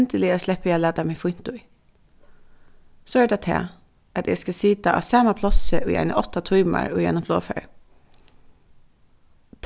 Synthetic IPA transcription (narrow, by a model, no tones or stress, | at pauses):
nt̪əlɪæslɛpəjalæːt̪amɪfʊn̥t̪ʊj | soːɛɹd̪at̪ʰɛ̰ː | æt̪ɛ̰skasiːt̪aʔa̰sɑːmapʰlɔsəʔʊjʔa̰ɪnə̰ʔɔt̪ːat̪ʰuːma̰ɹʊjɛ̰nʊmflo̰ːfɛ̰ɹ | t̪